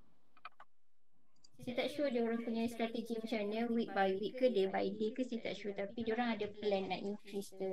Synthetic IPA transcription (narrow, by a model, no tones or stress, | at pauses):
set̪aʔʃudaoɾaŋpuɲãst̪ɾat̪əɡimət͡ʃanə̃wik̚baiwiʔkədebaiʔ̚dekəsət̪a̰ʔʃut̪apideoɾaŋadaplɛnːãʔinkɾist̪ə